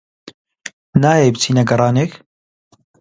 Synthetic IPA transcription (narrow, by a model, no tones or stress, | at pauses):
naːjeːbt͡sʰiːnɐɡɐrˤɑːneːk